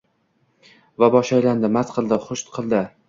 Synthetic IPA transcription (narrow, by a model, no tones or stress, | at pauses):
vabɒʃajland̪ɪmat̪qʰɨlˠd̪ɪχʊʃt̪qʰɨlˠd̪ɪ